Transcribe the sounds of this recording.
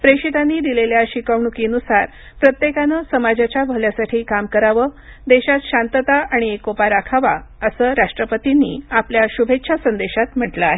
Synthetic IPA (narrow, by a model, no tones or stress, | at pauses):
pɾeʂit̪anːiːd̪ileljaɕikəʋɳukinusaɾ | pɾət̪jekanəsəmad͡ʑat͡ɕjabʱəljasaʈʰiːkamkəɾaʋəd̪eɕat̪ɕant̪ət̪aaɽ̃iekopaɾakʰaʋaəsəːɾaʂʈɾəpət̪inːḭːapljaɕubʱetːɕʰasənd̪eɕat̪m̤əʈləaɦe